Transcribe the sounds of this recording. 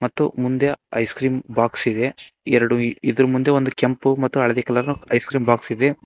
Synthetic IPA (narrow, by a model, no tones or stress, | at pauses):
mɐt̪ːṵmund̪eɐ̰jskɾiːmbaːksid̪e̞ | ɛɾɐɽuid̪ɐɾumund̪eond̪ukempumɐt̪ːuɐɭɐd̪ikɛlɐɾnuɐjskɾiːmbaːksid̪e̞